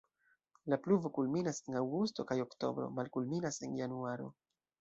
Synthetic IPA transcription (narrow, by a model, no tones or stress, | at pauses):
lapluvo̞kulminase̞nawɡusto̞kajo̞kto̞̰bɾo̞̰malkulminase̞njanuaɾo̞̰